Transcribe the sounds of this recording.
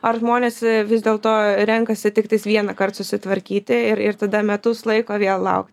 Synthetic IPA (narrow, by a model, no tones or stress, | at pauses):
ɐrʒmoːnʲeːsʋʲɪzʲd̪ʲeːlˠt̪oːɾʲɛŋkɐsʲɪt̪ʲɪkt̪ɐɪsʋʲiɛnɐkɐrt̪sʊsʲɪt̪ʋɐɾʲkʲiːt̪ʲɪɪɾɪɾt̪ɐd̪ɐmʲɛt̪ʊslˠɐɪkoːʋʲeɛlˠlˠɐ̰ʊkt̪ʲ